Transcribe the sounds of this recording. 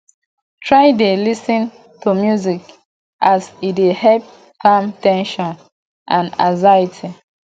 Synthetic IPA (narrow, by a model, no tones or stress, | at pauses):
tʰɹajdelisĩn | tumjuzik | ʔasidehɛlp̚ | kãmtɛ̃nʃɔ̃n | ʔãna̰zaitʰi